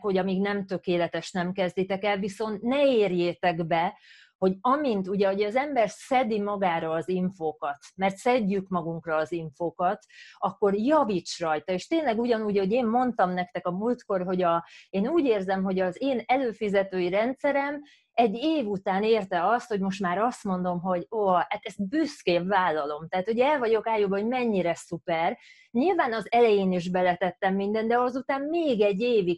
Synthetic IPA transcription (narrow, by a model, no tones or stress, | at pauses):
kho̞ɟɒmiːɡnɛmt̪ø̞keːlɛt̪ɛʃnɛmkɛzd̪it̪ɛkɛlviso̞nt̪nɛeːrjeːt̪ɛɡbɛ | ho̞ɟɒmint̪uɟɛoɟɛɒzɛmbɛrsɛd̪imɒɡaːɾɒːziɱfoːkɒt̪mɛrt̪sɛɟːykmɒɡuŋkrɒːziɱfoːkɒt̪ɒkːo̞rjɒvit͡ʃrɒjt̪ɒeːʃt̪eːnlɛɡuɟɒnuːɟɛoɟeːmːo̞nt̪ɒmnɛk̚t̪ɛkɒmult̪ko̞rɦo̞ɟɒeːnuːɟeːrzɛmɦo̞ɟɒzeːnɛløːfizɛt̪øːiɾɛnt̪sɛɾɛm | ɛɟːeːvut̪aːneːrt̪ɛɒst̪ho̞ɟmo̞ʃt̪maːɾɒst̪mo̞nd̪o̞mɦo̞ɟoːɒhat̪ɛst̪̚byskeːpvaːlːɒlo̞mt̪ɛɦːt̪hoɟɛlvɒɟo̞kaːjubɒɦo̞ɟmɛɲːiɾɛsupɛr | ɲilvaːnɒzɛlɛjeːniʒbɛlɛt̪ɛt̪ːɛmːind̪ɛnd̪ɛɒzut̪aːmmeːɡɛɟːeːvi